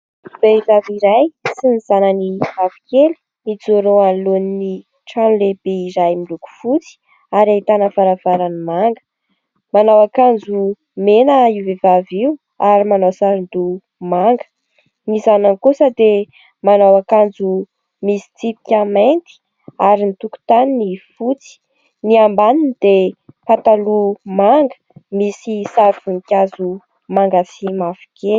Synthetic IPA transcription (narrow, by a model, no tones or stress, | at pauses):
b̥eivaviɾajsiniz̥anənivavi̥keli̥ | mit͡soɾoanlonini | ʈ͡ʂanleb̥eiɾajmiluku̥fut͡si̥ | aɾait̪anəfaɾav̥aɾanimaŋɡə̥ | manawakand͡zu | menəiwvevaviw | aɾimanawsaɾind̪u | maŋɡə̥ | nizanankusəd̪e | manawakand͡zu | misi̥t͡sipi̥kʲament̪i̥ | aɾinit̪uku̥t̪aninifut͡si̥ | niambaninid̪epat̪alumaŋɡə̥ | misisaɾuvunikʲazu | maŋɡasimafi̥ke